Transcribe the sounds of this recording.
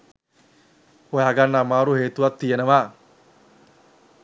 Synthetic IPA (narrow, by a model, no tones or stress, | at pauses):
hoɦaɡanːamaːɾuɦeːt̪uʋat̪ːijenəʋa